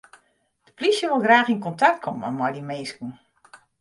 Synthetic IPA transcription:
d̥əplisjəʋolˠɡraːxinkɔntak̚t̚kʰɔmə̰mɔjdimeːsku

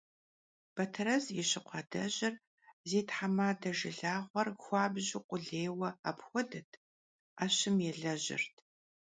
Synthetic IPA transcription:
b̥ɐtʰɐɾɐzjɪɕɪqʷɑdɐʑɪr | zeːtħamaːdɐʒɪɮaːʁʷɐrxʷɑːbʑɪqʷʼʊɮeːwɐapxʷɔdɐtʰ | aːɕɪmjɛɮɐʑɪ̰rtʰ

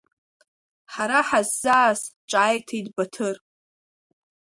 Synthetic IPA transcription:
ħaɾaħazːaːzt͡ʃʼaːjtʰajdbatʰɨr

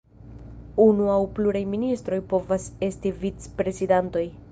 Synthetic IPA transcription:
unuawpluɾajministɾo̞jpo̞vase̞stivit͡spɾe̞zidanto̞j

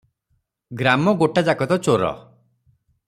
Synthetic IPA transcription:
ɡɾamɔɡoʈad͡ʒakɔt̪ɔt͡ʃoɾɔ̰

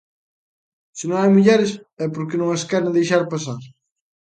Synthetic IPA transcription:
sɪnõwajmuʎɛɾɪsɛpoɾkɪnõŋɐskɛɾẽŋd̪ejʃaɾpasaɾ

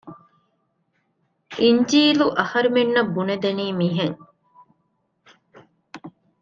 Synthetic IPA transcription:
iɲd͡ʒiːluʔɐhɐɾimenːɐbːuned̪ɐniːmiɦeŋ

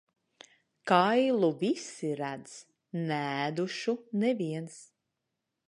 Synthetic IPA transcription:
kajlˠuvisiɾæd̪z | næːd̪uʃunɛviɛns

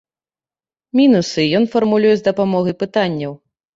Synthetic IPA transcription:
mʲinusɨjɔnfɐrmulʲujɛzd̪ɐpamɔɣɐjpɨt̪anʲːɐw

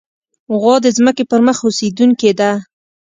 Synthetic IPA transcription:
ɣɑd̪əzməkepəɾməxosed̪uŋked̪a

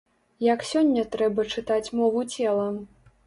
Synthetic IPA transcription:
jɐksʲɔnʲːɐt̪ɾɛbɐt͡ʂɨt̪at͡sʲmɔvut͡sʲɛlˠɐ

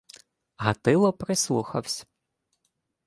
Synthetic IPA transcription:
ɦɐt̪ɪlˠɔpɾɪslˠuxɐwsʲ

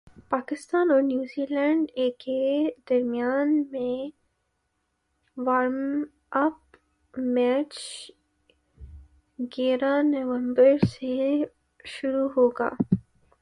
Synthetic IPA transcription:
paːkɪst̪aːnɔːɾnjuːziːlɛ̃ːɳɖeːkːed̪ɐɾmijaːnmẽ | ʋaːɾm | ɐp | mɛːt͡ʃ | ɡeːɾanɐʋə̃mbəɾse | ʃʊɾuɦoːɡa̰ː

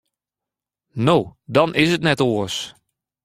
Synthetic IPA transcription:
noːdɔnʔɪsətnɛtoəs

